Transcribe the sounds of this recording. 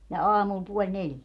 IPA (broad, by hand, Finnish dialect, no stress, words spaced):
jɑ ɑːmul puolʲ neljæ